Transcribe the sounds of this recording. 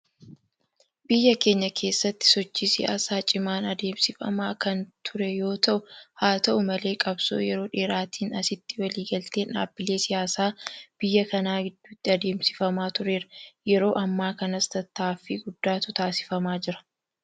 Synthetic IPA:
bɪjːɐke̞ːɲːɐkʰe̞ːsːɐt̪ːɪ̥sɔt͡ʃːiːsɪja̰ːsaːt͡ʃʼɪmaːnɐd̪e̞ːmsɪfɐ̰maːkɐnt̪ʰʊɾɛjo̞ːt̪ɐʔʊhaːt̪ɐʔʊmɐle̞ːkʼɐbso̰ːjɛɾo̞ːᶑeːɾaːt̪ʰiːnɐsɪt̪ːɪwɐliːɡɐlt̪e̞ːna̰ːbːɪle̞ːsɪjaːsaːb̥ɪjːɐkɐnaːɡɪd̪ːut̪ːɪɐd̪e̞ːmsɪ̥fɐmaːt̪ʊɾeːɾɐjɛɾo̞ːʔɐmːaːkɐnɐst̪ɐt̪ːaːfiːɡʊd̪ːaːt̪ʊt̪aːsɪ̥fɐmaːd͡ʒɪɾɐ̥

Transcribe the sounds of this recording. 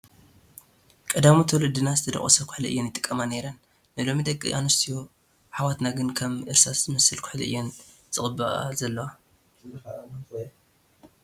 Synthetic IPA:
kʼɐd̪amut̪ʰuwlɨd̪ɨnazɨt̪ʰɐd̪ɐ̰χʼɐ̰sɐkʰʊ̥ħliʔɨjːonjɪt̪ʼɨ̥kʼːɐmaneɾɐnː | ɨlo̞mid̪ɐkʼːɨ̰ʔanust̪ʰijo | ħawat̪naɡɨnkʰɐmʔɨɾsaszɨmɐsɨlkʰʊ̥ħlʔɨ̰jːon | z̥ɨχʼɨbɨʔa̰zɐlːɐwa

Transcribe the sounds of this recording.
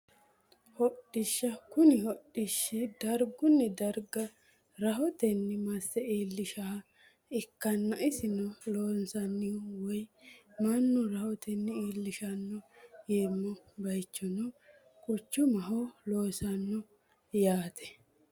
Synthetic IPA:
hɔɗːɪʃːɐkʊnɪhɔɗːɪʃːɪd̪ɐɾɡʊnːɛd̪ɐɾɡɐ | ɾɐɦɔt̪ɛnːɛmɐsːɛiːlːɪʃaː | ɪkːɐnːɐʔɪsɪnɔloːnsɐnːɪwɔj | mɐnːʊɾɐhɔt̪ɛnːɛiːlːɪʃɐnːɔjeːmːɔ | bɐjt͡ʃːɔnɔ | kʼʊt͡ʃːʊmɐɦɔloːsɐnːɔ | jaːt̪ʰɛ̥

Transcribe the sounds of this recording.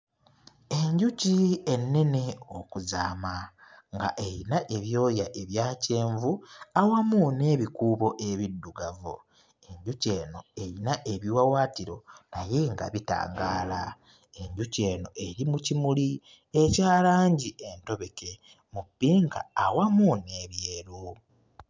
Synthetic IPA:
e̞ɲɟucienːe̞neokuzaːmaŋɡa̰ʔe̞ɾinaʔe̞βjo̞ːjaʔe̞βjaːce̞ːɱvuawamune̞ːβikuːβo̞ʔe̞βidːuɡavo̰ | e̞ɲɟuce̞ːno̞e̞ɾinaʔe̞βiwawaːtiɾo̞̰naje̞ŋɡa̰βita̰ːŋɡaːla | e̞ɲɟuce̞ːno̞ʔe̞ɾimucimuli | e̞caːlaːɲɟiʔe̞nto̞βe̞ke̞ | mupːiːŋka̰ːwamune̞ːβjeːɾu

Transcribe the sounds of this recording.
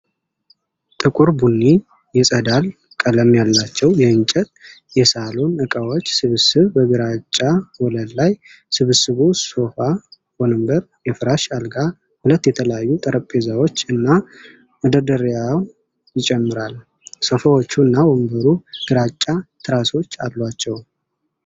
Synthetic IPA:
t̪ʼɨkʼuɾbunːi | jɛsʼəd̪al | kʼələmjalːat͡ʃːɛwjɛɨnt͡ʃʼɛt̪̚ʼ | jɛsalonɨkʼawot͡ʃːsɨβɨsɨβbəɡɨɾat͡ʃʼːawɔləd̪laj | sɨβɨsɨβusofa | wɔnɨmbəɾ | jɛfɨɾaʃalɡa | hulət̪ːjɛt̪ʰələjajːut̪ʼəɾəpʼːezawo̞t͡ʃːɨnːa | wɔd̪əd̪əɾjaw | jɪt͡ʃʼɛmːɨɾal | sofawot͡ʃːuɨnːawɔmbəɾuɡ̥ɨɾat͡ʃʼːat̪ʰɨɾaso̞t͡ʃːalːwat͡ʃːɛw

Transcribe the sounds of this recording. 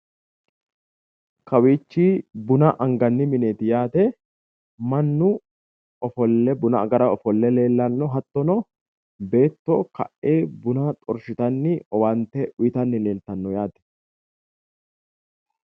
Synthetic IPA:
kɐwiːt͡ʃːiːbʊnɐʔɐŋɡɐnːɪmɪneːt̪ɪjaːt̪ɛ | mɐnːʊ | ɔfɔlːɛbʊnɐ̰ːɡɐɾɐɔfɔlːɛle̞ːlːɐnːɔɦɐt̪ːɔnɔ | be̞ːt̪ːoːkɐ̰ʔːeːbʊnɐt̪ʼɔɾʃɪt̪ɐnːɪɔwɐnt̪ːɛʔʊjɪt̪ɐnːɪle̞ːlt̪ɐnːɔjaːt̪ɛ̥

